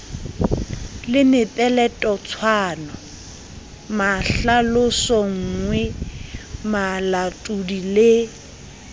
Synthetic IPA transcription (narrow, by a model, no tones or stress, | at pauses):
lɪnɪpʼɛlɛtʼɔt͡sʰwaːnɔ | maɬalʊsɔŋ̩ŋwɛ | malatʼudile